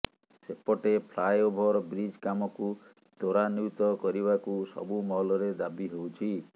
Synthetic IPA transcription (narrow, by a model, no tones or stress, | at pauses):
sepɔʈepʰlajobʱɔɾɔbɾid͡ʒkamɔku | d̪oɾanuwt̪ɔkɔɾibakusɔ̰bumɔɦɔlɔɾed̪abiɦowt͡ʃʰi